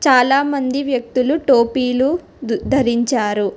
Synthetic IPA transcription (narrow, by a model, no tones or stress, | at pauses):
t͡ʃaːlaːmɐnd̪iʋjɐk̚t̪uluʈoːpiːlu | d̪ʱɐɾiɲt͡ʃaːɾu